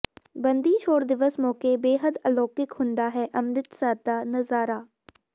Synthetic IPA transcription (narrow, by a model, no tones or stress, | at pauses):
bɐ̃nd̪it͡ʃʰoːɽd̪ɪʋəsmɔːkebeːɦəd̪ɐlɔːkɪkhʊ̃nd̪aːɦɛːʔɐmɾɪt̪saːd̪aːnɐzaːɾaː